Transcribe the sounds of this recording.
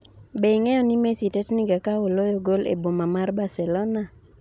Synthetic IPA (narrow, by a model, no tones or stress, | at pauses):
beiŋɛjɔnɪmesitɛtnɪɡakaolojoɡolḛbomamarbasɛlɔna